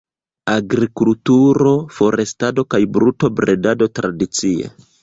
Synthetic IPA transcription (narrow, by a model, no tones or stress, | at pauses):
aɡɾikultuɾo̞fo̞ɾestado̞kajbɾuto̞bɾedado̞tɾadit͡siḛ